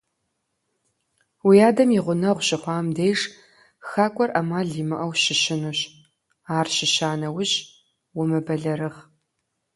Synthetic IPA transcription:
wijaːdɐmjiʁʷʊnɐʁʷɕɪχʷɑːmdejʂ | xaːkʷʼɔrʔɐmaːɮiːmɨʔɐwɕɪɕɪnuɕ | aːrʃɪʃaːnɐwʊʑ | wʊmɨbɐɮɐɾɨʁ

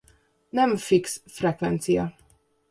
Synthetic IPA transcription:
nɛɱfiksfrɛkvɛnt̪sijɒ

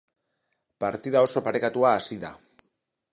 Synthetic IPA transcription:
paɾt̪iðao̞so̞paɾe̞kat̪uaːsiða̰

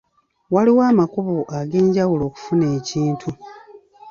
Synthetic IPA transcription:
waliwaːmakuβoʔaɡe̞ːɲɟawulo̞ːku̥fune̞ːciːntʰu

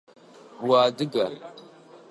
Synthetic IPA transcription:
buwadiɡaɾ

